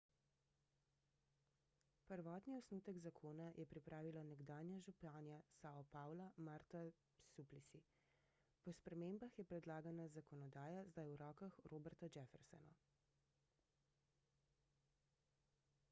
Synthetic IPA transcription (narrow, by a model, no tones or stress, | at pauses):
pəɾʋɔːt̪niɔsnuːt̪əɡzakʰoːnajʔɛpɾipɾʔaːʋilɔnɛɡd̪aːnjaʒupaːnjasaːɔpaːwlamaːɾt̪a | suplisi | pɔspɾɛmembaxjɛpɾɛd̪laːɡanazakɔnɔd̪aːjazd̪ajwɾɔːkaxɾoːbɛɾt̪ɔd͡ʒɛfɛɾsɛ̰nɔ